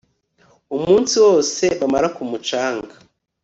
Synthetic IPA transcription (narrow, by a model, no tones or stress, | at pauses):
umuːnsiwo̞ːse̞βamaɾakumut͡ʃaːŋɡa